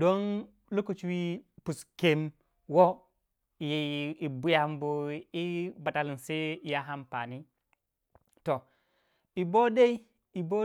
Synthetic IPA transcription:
do˦n | lu˦ku˨t͡ʃwi˦pu˨ske˦m | wo˦ | i˨ji˨bu˦ja˦˨mbo˨i˦ba˨ta˨li˨nse˦i˨ja˦ɦa˦mpa˨ni˦ | to˨ | i˨bo˦ɗe˦i˦ | i˨bo˦

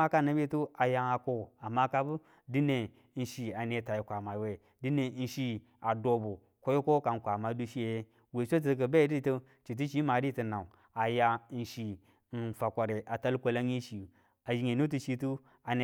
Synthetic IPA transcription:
a˦ka˦˨na˨˦be˦tu˦a˨ja˦a˨ko˦˨a˨ma˦ka˦bu˦ | di˦ne˨˦ | n̩˦ʃi˨a˨ne˨˦ta˨ji˨kʷa˨ma˨we˨ | di˦ne˨˦n̩˦ʃi˦ | a˨do˨bo˨ | ko˦jo˦ko˦ka˨n˨kʷa˨ma˨˦du˦ʃi˦je˨je˦ | we˨so˦t̬ə˨˦k̬ə˨be˦di˦˨˦tə˦ | t͡ʃi˨t̬i˦t͡ʃi˦ma˨˦di˦tə˨na˨u˨ | a˨ja˦n̩˨ʃi˨ | n̩˨fa˨kʷa˨ɾe˨ʔa˨ta˦lkʷo˨la˦i˦ʃi˨ | a˨d͡ʒi˨ŋe˨nu˦t̬u˦ʃi˦tu˦ | a˨ne˨

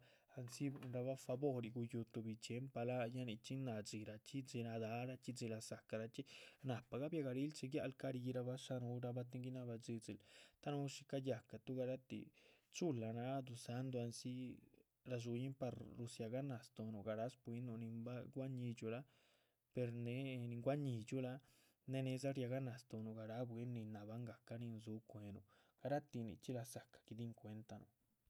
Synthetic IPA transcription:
a˧nsi˦bnɾa˧βa˦fa˧bo˦ɾi˧ɡu˧ju˧t̪u˧bi˨˧t͡ʃe˨˦mpa˧la˦ja˦ni˧t͡ʃi˦na˨d͡zi˨ɾa˧t͡ʃi˦d͡zi˧na˧d̪a˨˦ɾa˧t͡ʃi˦zi˧la˧sa˨ka˨ɾa˧t͡ʃi˦na˨pa˨ɡa˦bja˧ɡa˧ɾi˦lt͡ʃe˧ɡja˧lka˦ɾi˧ɾa˧ba˦ʂa˦nu˧˦ɾa˧ba˦t̪̬i˧ŋɡi˦na˧ba˧d͡zi˧d͡zi˧˨lt̪a˦nu˧˦ʃi˧ka˦ja˨ka˨t̪u˦ɡa˧ɾa˦t̪ḭ˨t͡ʃu˦la˨na˧˦d̪u˧sa˧˦nd̪o˧a˧nsi˦ | ɾa˧ʐ̬u˧ji˦mpa˧ɾɾu˧sja˧ɡa˦na˨st̪o˧no˨ɡa˧ɾa˦spwi˧˦no˧nĩ˧mba˦ɡʷa˦ɲĩ˧t͡ʃu˧la˦ | pe˧ɾne˧˦˧nĩ˧ŋɡʷa˦ɲi˧˨t͡ʃu˦la˦ | ne˧nẽ˧z̬a˦ɾja˧ɣa˦na˨st̪o˧nu˨ɡa˧ɾa˦bʷe˧˦nĩ˧na˧βa˦ŋɡa˨ka˧˦nĩ˧nzu˧˦kʷe˧nṵ˧˨ | ɡ̥a˧ɾa˦t̪i˧nḭ̃˧t͡ʃi˦la˧sa˨kḁ˨ki˧d̪i˦ŋkʷe˧nt̪a˧nõ̰˨

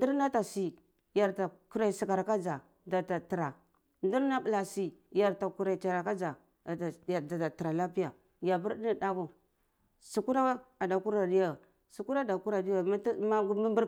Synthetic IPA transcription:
ndi˦ɾna˦ta˨si˨ | ja˨ɾta˨ku˦ɾa˨i˨si˨ka˨ɾka˦d͡ʒa˨ | da˨ta˨ti˨ɾa˨ | ndi˦ɾna˦bi˨la˨si˨ja˨ɾta˨ku˨ɾa˨i˨t͡ʃa˨ɾa˨ka˦d͡ʒa˨ | ja˨da˨ta˨ti˨ɾa˨la˦pi˦ja˨ | ja˨bu˦ɾdi˦ni˦da˦ɡu˨ | su˨ku˦ɾa˦a˨da˨ku˦ɾa˨di˦ja˨ | su˨ku˦ɾa˦˨da˨ku˦ɾa˨di˦ja˨ma˦tma˦mi˦mbu˦ɾ

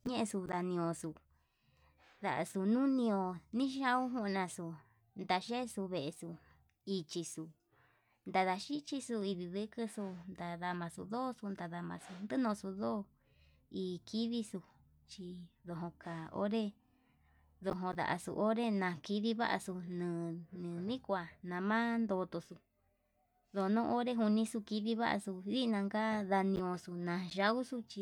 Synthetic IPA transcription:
ɲẽ˦ʔẽ˧su˧ða˧nĩ˧õ˧su˨˧ | ða˨ʔa̰˧su˧nũ˦nĩ˧õ˧˨nĩ˦ʃã˦ũ˦ɦũ˦˧nã˧su˧ | nd̪a˧ʃe˦su˧βe˨e˧su˧ | i˧t͡ʃi˧su˧ | nd̪a˧ða˧ʃi˦t͡ʃi˧su˧i˧ði˧ðɨ˦kɨ˧su˧nd̪a˧ða˧mã˧su˧ðoː˦˧su˧nd̪a˧ða˧mã̰˧su˧nd̪ɨ˦nõ˧˨˧su˧ðo˦˧ | i˧˨kʰi˦ði˦su˧ | t͡ʃi˧ðo˧ɦõ˧ka˨o̰˦ɾe˦ | ðo˧ɦõ˧ða̰˧ʔa̰˨sṵ˧ʔo˦ɾe˦nã˧ki˧ði˦βa̰˦ʔa̰˧su˧nɨ̃˨˧˨nɨ̃˨nĩ˦kʷa˨nã˧mã˦nd̪o˧t̪o˧su˧ | ðo˧˨˧nõː˦˧ʔo˦ɾe˦ɦu˧nĩ˧su˧ki˧ði˧˦βa˦ʔa̰˧su˧ði˦˧nã˧ŋɡa˦ða˧nĩ˧õ˧su˧nã˨˧ʒa˧u˦su˧˦t͡ʃi˧

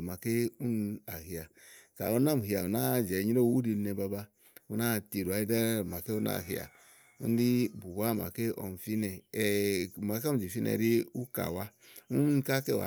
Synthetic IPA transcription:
ma˨ke˦u˦na˨hi˨ja˨ | ka̰˨u˦na˦˨mu˨hi˨a˨u˨na˦˨d͡ʒɛ˨ɲi˦ɾo˦u˦ɾi˧˦nɛ˧ba˧ba˦ | u˦na˦˨ti˨ɾu˨a˨˦i˦da˦ɾma˨ke˦u˦na̰˨ɦi˨˦a̰˨ | ṵ˦n˦di˦bu˨˦a˦˨ma̰˨ke˦ɔ̰˨m˨fi˦nɛ˨ | ma˨˦ka˦u˦˨d͡ʒi˨fi˦nɛ̰˨ɾi˦u˦ka̰˨wa˦u˦ka˦ke˦˨wa̰˨

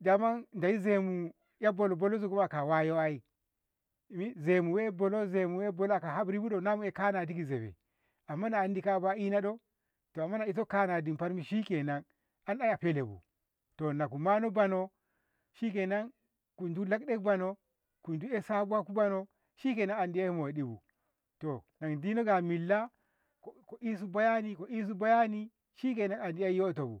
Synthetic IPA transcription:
da˨ma˦nnda˨ji˦ze˨mu˨ | ja˦bo˨lo˨bo˨lo˦zu˨ɡu˦ma˨ka˨wa˦jo˦a˦i˦˨ | mi˦ze˨mu˨we˦bo˨lo˦ze˨mu˨we˦bo˨lo˦a˨ka˨ɦa˦bɾi˦bu˦ɗo˨na˦mu˦e˨ka˦na˨di˦ki˨ze˨bḛ˨ | a˨mːa˦naː˨n˦di˨ka˦ba˦i˦na˦ɗo˦ | to˨a˨mːa˦na˨i˦s̬o˦ka˦na˨di˨mpa˦ɾmi˦ʃi˦ke˨na˦n | a˦na˦ja˨pe˦le˨bṵ˨ | to˨na˨ku˨ma˦no˦ba˨no˦ | ʃi˦k̬e˨na˦ŋ | ku˨ndu˦la˦kɗe˦k̚ba˨no˦ | ku˨ndu˦e˦sa˦bu˦a˦ku˦ba˦no˦ | ʃi˦k̬e˨na˦ŋa˨ndi˦a˦i˦mo˨e˨ɗi˦bṵ˨ | to˨na˨ŋdi˦no˦ɡa˨mi˨lːa˦ | ko˨ko˨ʔi˦s̬u˦ba˦ja˦ni˦ko˨ʔi˦s̬u˦ba˦ja˦ni˦ | ʃi˦k̬e˨na˦ŋa˨ndi˦a˦i˦jo˦˨to˨bṵ˨

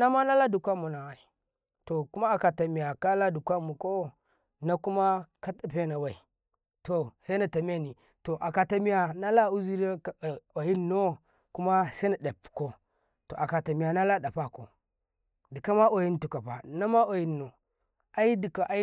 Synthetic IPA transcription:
na˦ma˦na˦la˦du˨kʷa˦mu˨na˨wa˨i˨ | to˨ku˦ma˦a˨ka˨ta˨mi˨ja˨ka˦la˦du˨kʷa˦mu˨ko˦ | na˦ku˦ma˦ka˦ta˨pe˦na˨wa˨i˨ | to˨se˦na˨ta˨m˦e˦˨ni˨ | to˨ʔa˨ka˨ta˨mi˦ja˨na˦la˦u˦zi˦ɾe˦ko˨ji˦nːo˦ | ku˦ma˦sa˦na˨da˨pko˦ | to̰˨ʔa˨ka˨ta˨mi˨ja˨na˦la˦da˨pa˦ko̰˨ | di˨ka˦ma˦o˨ji˦n˦tu˨ka˨pa̰˨na˦ma˦o˨ji˦nːo˨ | a˦i˦di˨ka˨ʔa˦

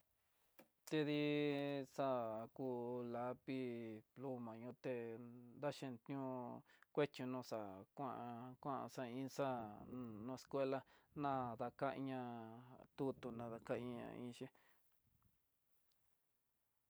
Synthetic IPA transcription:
t̪e˧ði˦sa˦ku˧la˨˦pi˦plu˧mã˨ɲũ˧t̪e˧nd̪a˦ʃẽ˧nt̪ɲũ˦kʷe˦t͡ʃũ˧nũ˧˨sa˨kʷã̰˦ʔa˧kʷã˦ʔa̰˧sa˧ĩ˦sa˦nũ˧e˧skʷe˦la˧nã˦ða˧ka˦˧ɲã˧t̪u˦t̪u˧nã˧ða˧ka˦ĩ˧ã̰˧ḭ̃˧ʃi˦

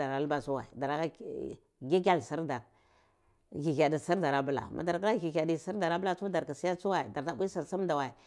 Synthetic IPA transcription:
a˨ɾa˨˦lba˦su˦wa̰˨ḭ˨da˨ɾa˨˦ka˦ | ɡi˦k̬ʲa˦lsi˦ɾda˨ɾ | ɡi˨ɡʲa˨di˨si˦ɾda˨ɾa˨˦bu˨la̰˨mʔa̰˨da˨ɾka˦la˦ɡi˨ɣa˨di˨si˦ɾda˨ɾa˦bu˦la˦u˦da˨ɾka˨si˦ja˦t͡su˦wa˦i˨da˨ɾta˨bu˦i˦si˨ɾsi˦m˦da˨wa˨i˨

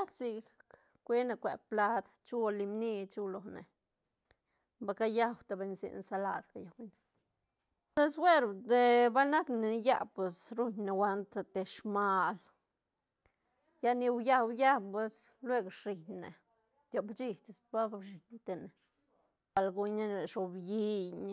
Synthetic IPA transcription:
a˦ksi˧k | kʷe˦ne˧kʷe˨pla˦d̪t͡ʃu˦li˧mni˧t͡ʃu˧lo˨nḛ˨ | ba˧ka˦ja˦wt̪a˧be˧nsḭ˨nsa˧la˧d̪ka˧ja˨wne˨ | e˦swe˦ɾd̪e˧ba˦lna˦kne˨˦ja̰˦˧pwe˨sɾu˦ɲne˨wa˧nt̪a˧t̪e˧ʂma˧l | ja˧ni˧wja˧wja˦pe˧slwe˦ɡɾi˨ɲne˨ | t̪ʲjo˨bt͡ʃi˧t̪i˨sba˦bʃi˨ɲt̪e˨ne˨ | ba˧˨lɡu˧ɲa˦ɾe˨ʂo˨bji˧ɲ

